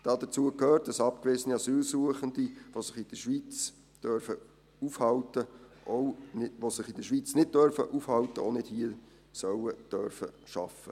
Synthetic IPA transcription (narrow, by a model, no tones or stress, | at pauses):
d̥ɑd̥ət͡suəkʰhøːrt̚d̥ɑsɑp̚kʋɪzəniɑsyːlsuəχəndiʋosɪχid̥əʃʋiːt͡s | d̥œɾfə | ufhɑwtəʔoʊʋosɪχɪd̥əʃʋit͡snɪd̚d̥œɾfə̰ʔufhɑltəo̰ʊnɪd̥hiə | sœwəd̥œɾfə̰ʃɑfə